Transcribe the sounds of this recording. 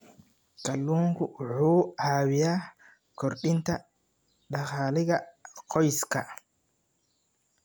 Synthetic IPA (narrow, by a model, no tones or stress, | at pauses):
kɐlːuːŋkʊʊħuːʔaːwɪjaː | kɔɾɗɪnt̪ɐ | ɗɐχaːlɪɣɐqɔjskɐ